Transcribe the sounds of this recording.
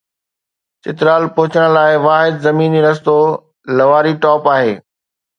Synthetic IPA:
t͡ɕɪt̪ɪɾaːlpʊɦʊt͡ɕəɽ̃laːɪʋaːɦɪd̪zɐmiːniɾɐst̪o | lɐʋaːɾiʈɔːpaːɦeː

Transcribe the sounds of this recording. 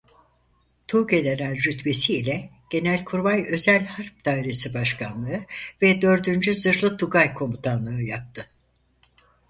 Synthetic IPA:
t̪ʰuːɟe̞neɾælʲɾyt̪ve̞siːlʲɛ | ɟ̥e̞nælʲkʰuɾbajø̞zælʲhaɾp̚d̪ajɾe̞sibaʃkʰanlˠɯɯvɛd̪ø̞ɾd̪ynd͡ʒyzɯɾlˠɯt̪ʰuɡajkʰo̞mut̪ʰanlˠɯɯjap̚t̪ʰɯ

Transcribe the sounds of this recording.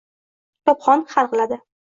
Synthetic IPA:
t̪ʰɒpχɒnχaɾˠqlad̪ɪ

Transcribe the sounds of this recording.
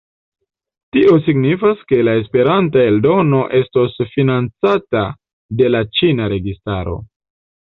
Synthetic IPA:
tiʔo̞siɡnifaske̞lae̞spe̞ɾantae̞ldo̞no̞ʔe̞sto̞sfinant͡sata | de̞lat͡ʃinaɾe̞ɡistaɾo̞̰

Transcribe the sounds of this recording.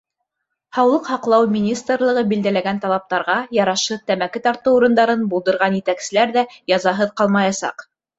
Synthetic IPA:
hɑwlˠɤqhɑqlˠɑwmʲinʲist̪rlˠɤ̆ʁɤbild̪ælæɡænt̪ɑlˠɑp̚t̪ɑɾʁɑjɑɾɑʃɤt̪æmækɘt̪ɑɾt̪ɤwuɾɤ̆nd̪ɑɾɤnbulˠd̪ɤ̆ɾʁɑnjɘ̆t̪æksɘ̆læɾðæjɑzɑɦɤðqɑlˠmɑjɑsɑ̰q

